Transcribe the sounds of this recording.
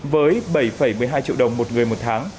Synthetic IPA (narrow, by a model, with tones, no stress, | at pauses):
vəː˨˦jɓə˧˩jfə˧˩jmɨ˨˩əjɦaː˧jt͡ɕḭ˧˨wɗə˨˩wŋ͡mmo˨˩t̚ŋɨ˨˩əjmo˨˩t̚t̪ʰaː˨˦ŋ